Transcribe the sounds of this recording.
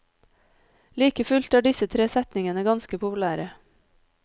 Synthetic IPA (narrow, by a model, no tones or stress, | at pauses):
liːkəfʉlt̪æːɖɪsət̪ʰɾeːsɛt̪nɪŋənəɡɑnskəpʰʊpʉlæːɾə